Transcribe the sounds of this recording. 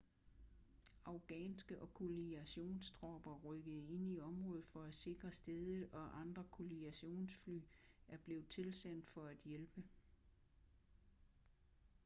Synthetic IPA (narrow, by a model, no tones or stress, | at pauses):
ɑ̈ʊɡ̥ɛ̰ːnsɡ̥əʔɒ̽kʰoliæɕo̝̰ːnsd̥ʁɒb̥ɐʁœɡ̥əð̩ˠe̝n̰iɒ̽mʁɔ̽ːð̩ˠfɒ̽æ̥se̝ɡ̥ʁɐsd̥eð̞ˠəɒ̽ʔɑ̈nd̥ʁɐkʰo̝liæɕo̝̰ːnsfly̰ːæɐb̥le̝ːʊt͡sʰe̝lsæn̰d̥fɒ̽æd̥jelb̥ə